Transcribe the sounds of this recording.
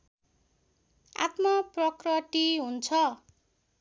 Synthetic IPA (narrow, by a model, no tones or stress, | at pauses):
a̰t̪mʌprʌkrʌʈiɦunt͡sʰʌ